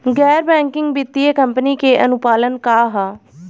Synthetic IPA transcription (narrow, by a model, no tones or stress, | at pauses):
ɡɛːɾbɛ̃ːŋkɪŋɡbɪt̪ːieːkəmpəniːkeːʔənʊpaːlənkaːɦaː